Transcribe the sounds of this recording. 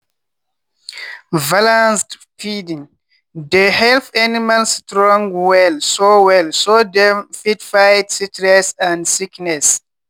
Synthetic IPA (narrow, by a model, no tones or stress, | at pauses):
valãnsd | fidĩŋ | dehɛlθanimalstɾɔ̃ŋɡwɛlsowɛlsodɛfitfajtsitɾɛsãndsiknɛs